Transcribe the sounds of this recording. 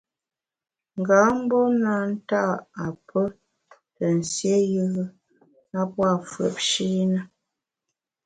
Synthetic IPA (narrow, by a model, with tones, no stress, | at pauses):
ŋ̩˨ɡa˨˦m̩˦bɔ˦na˦n̩˦ta˦˨a˨pʰə˦ | tə˨n̩˨sje˦jə˦ɣə˦ | a˦pwa˦˨fwə̰˨p̚ʃi˦nə˦